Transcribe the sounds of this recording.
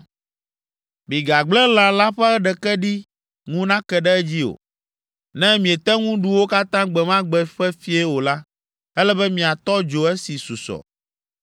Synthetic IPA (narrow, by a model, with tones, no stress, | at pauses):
bi˨ɡa˨ɡ͡blɛ˦la˨la˦ɸɛ˦ɛ˦ɖɛ˨kɛ˦ɖi˦ | ŋũ˦nã˦kɛ˨ɖɛ˦ɛ˦d͡ʑi˦o̰˨ | nɛ̃˦mĩ˨e˨t̪ɛ˦ŋũ˦ɖu˨˦wo˦ka˦t̪ã˦ɡ͡bɛ˨mã˦ɡ͡bɛ˨ɸɛ˦fi˦ɛ˦wo˨la˦ | ɛ˦lɛ˦bɛ˦mĩ˨a˨t̪ɔ˦d͡ʒo˨ɛ˦si˨su˨sɔ̰˨